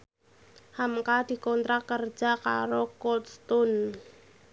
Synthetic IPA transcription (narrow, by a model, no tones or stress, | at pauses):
hamkad̪̥i̤kɔnt̪ɾakər̥d͡ʒ̥a̤ka̰ɾokɔt̪st̪ʊn